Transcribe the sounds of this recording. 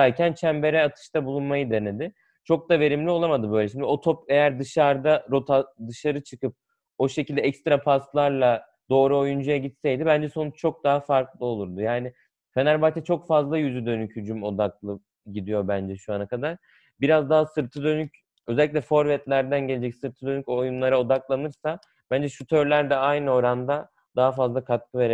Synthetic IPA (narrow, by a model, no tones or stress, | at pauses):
d̪æɾcʰænt͡ʃʰæmbe̞ɾɛat̪ʰɯ̥ʃt̪ʰabulˠunmajɯd̪e̞ne̞d̪ɪ | t͡ʃʰo̞k̚d̪ave̞ɾimlʲio̞lˠamad̪ɯbø̞jlɛʃ̬imnd̪io̞t̪ʰope̞jæɾd̪ɯʃaɾd̪aɾo̞t̪ʰad̪ɯʃaɾɯt͡ʃʰɯkɯp̚ | o̞ʃe̞cilʲd̪ɛɛcst̪ɾapʰast̪lˠaɾlˠa | d̪o̞ːɾuo̞jund͡ʒajaɟit̪sɛjd̪ɪbænd͡ʒɛso̞nut͡ʃt͡ʃʰo̞k̚d̪aɦafaɾklˠɯo̞lˠuɾd̪ujaːnɪ | fenæɾbat̪ʰɛt͡ʃʰo̞kfazlˠajyzyd̪ø̞nychyd͡ʒymo̞d̪ak̚lˠɯ | ɟid̪ijo̞bænd͡ʒɛʃuanakad̪aɾ̥ | biɾazd̪aɦasɯɾt̪ʰɯd̪ø̞nyc | øzɛlʲːiclʲɛfo̞ɾvɛt̪lʲæɾd̪ænɟe̞led͡ʒɛcsɯɾt̪ʰɯd̪ø̞nycojunlˠaɾao̞d̪aklˠanɯɾsa | b̥ænd͡ʒɛʃut̪ʰø̞ɾlʲæɾd̪ɛajnɯo̞ɾand̪a | d̪aɦafazlˠakʰat̪̚kʰɯve̞ɾe